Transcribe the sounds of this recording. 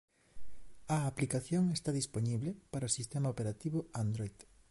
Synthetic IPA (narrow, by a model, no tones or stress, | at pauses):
ɐːplikaθjoŋest̪aðisponiβlepaɾaosist̪emaopeɾat̪iβʊand̪ɾojð